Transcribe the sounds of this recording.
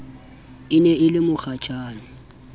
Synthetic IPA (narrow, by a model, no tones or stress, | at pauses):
ɪnɛɪlɪmʊχat͡ʃʼaːnɪ